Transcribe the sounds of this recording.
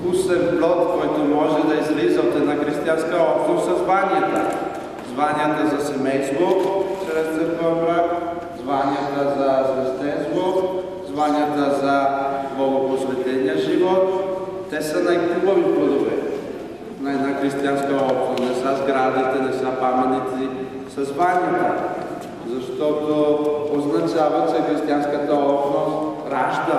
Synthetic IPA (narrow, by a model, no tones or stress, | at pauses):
kusɛvblɔt̪kɔjt̪omɔʒɛd̪ɐizlizəot̪ɛd̪naxɾist̪ijanskəɔpʃost̪zɐzvaniət̪ə̰ | zvaniət̪əzɐsɛmɛjst̪vot͡ʃɾɛst̪sɛfəvɾə | zvaniət̪əzɐsɾɛst̪ɛnst̪vo | zvaniət̪əzɐboɡoposvɛt̪lɛniəʒivɔt̪ː | ɛsənajk̪ɾubəviplˠɐd̪ovɛ̰ | nɐɛd̪naxɾist̪ianskəɔpʃnosnɛsəzɡɾad̪it̪ɛnɛsəpamɛt̪it̪i | sɐzvanʲiət̪ə | zɐʃt̪ɔt̪ooznɐt͡ʃavət͡ʃɛxɾist̪ianskət̪əɔpʃnost̪ | ɾaʒd̪ə